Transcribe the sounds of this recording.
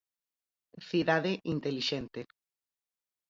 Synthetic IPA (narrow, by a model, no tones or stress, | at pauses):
θiðaðeʔint̪eliʃent̪e